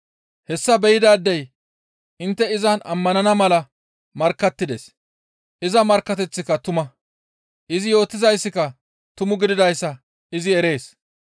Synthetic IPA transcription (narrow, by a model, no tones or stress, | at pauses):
hɛsːɐbɛjɪd̪aːd̪ːɛj | ʔɪnt̪ːɛɪzɐnʔɐ̰mːɐnɐnɐmɐlɐ | mɐɾkːɐt̪ːɪd̪ḛs | ʔɪzɐmɐɾkːɐt̪ɛt͡sːɪkɐt̪ʊmɐ | ʔɪzɪjo̞ːt̪ːɪzɐjsːɪkɐ | t̪ʊmʊɡɪd̪ɪd̪ɐjsːɐ | ɪzɪɛɾe̞ːs